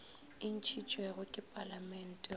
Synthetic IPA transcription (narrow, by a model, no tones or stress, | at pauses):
in̩t͡ʃʰit͡ʃʼwɛɣʊkʼɪpʼalamɛn̩tʼɛ